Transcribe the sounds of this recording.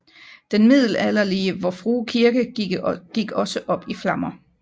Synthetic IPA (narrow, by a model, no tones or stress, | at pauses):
d̥enmið̞̰ˠl̩ælɐliəʋɒfʁuːkʰiɐɡ̥əɡ̥iɡ̥ɒ̽səʔɒ̽b̥iflɑ̈mɐ